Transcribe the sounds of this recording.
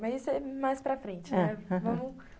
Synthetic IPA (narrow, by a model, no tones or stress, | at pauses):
mɐzisʊɛmajspɾɐfɾẽt͡ʃɪnɛ̃vɐ̃mʊ